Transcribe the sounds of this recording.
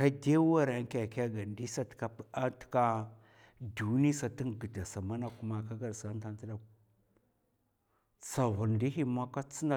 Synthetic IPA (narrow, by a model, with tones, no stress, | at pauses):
ka˦de˦wa˦ɾa˨ŋ˦ka˨ka˦ɡa˨ndi˦sa˦tka˨pa˦tka˦ | du˨˦ni˦sa˨ti˦ŋɡə˨da˨sa˨ma˦na˦ku˦ma˨ka˦ɡa˨ɾsa˦n˦ta˦n˦ti˦ɗa˨k | sa˨vu˨ndi˦ɦi˦ma˦ka˦t͡si˦na˨